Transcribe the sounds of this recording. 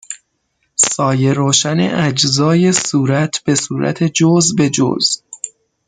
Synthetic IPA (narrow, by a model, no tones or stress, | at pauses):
sɒːje̞ɾoːʃænḛʔæd͡ʒzɒːje̞suːɾæt̪ʰb̥e̞suːɾʔæ̰t̪ʰe̞d͡ʒozbe̞d͡ʒo̰z̥